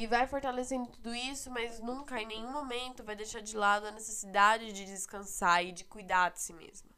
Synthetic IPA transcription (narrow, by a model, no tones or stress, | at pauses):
ɪvajfoɾt̪alesẽnd̪ʊt̪ud̪ʊisʊmɐznũŋkɐẽj̃nẽj̃ũmomẽnt̪ʊvajd̪ejʃaɾd͡ʒɪlad̪ʊɐnesesid̪ad͡ʒɪd͡ʒɪd͡ʒɪskɐ̃saɪd͡ʒɪkujd̪ad͡ʒɪsimḛzmɐ